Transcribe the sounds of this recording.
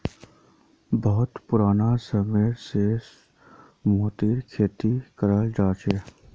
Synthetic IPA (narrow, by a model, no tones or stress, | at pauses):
bəɦʊt̪pʊɾaːnasəmeːɾse | moːt̪iːɾkʰeːt̪ikəɾaəːld͡ʒaːt͡ʃe